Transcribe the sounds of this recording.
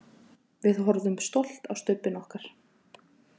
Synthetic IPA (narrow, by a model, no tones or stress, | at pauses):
vɪðɦɔɾðʏmst̪owl̥t̪awst̪ʏpːɪnɔhkaɾ̥